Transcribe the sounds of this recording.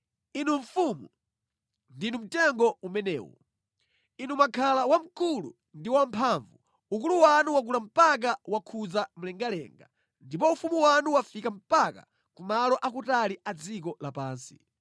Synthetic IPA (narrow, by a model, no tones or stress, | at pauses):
inuɱfumu | ndinum̩tɛŋɡɔumɛnɛ̰ːwɔ̰ | inumakʰalawam̩kulu | ndiwam̩pʰaːɱvu | uk̬uluwanuwak̬ulam̩pak̬awakʰud͡zam̩lɛŋɡalɛ̰ŋɡa | ndip̬ɔufumuwanuwafikam̩paka | kumalɔʔak̬utaliʔad͡zikɔlapaːnsi̥